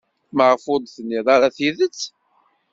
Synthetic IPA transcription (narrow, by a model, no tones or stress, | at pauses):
məʁfʊd̪ˤθənːiðˤɑɾaθiðət͡sː